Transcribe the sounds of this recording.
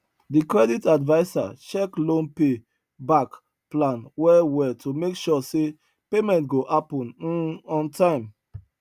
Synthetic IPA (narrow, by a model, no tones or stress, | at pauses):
dikɹɛditadvaɪsa̰t͡ʃɛklõnpe | bak | plãnwɛwɛtʰumekʃɔse | pemɛ̃ntɡoʔapɔ̃n̩ɔ̃ntʰãɪ̃m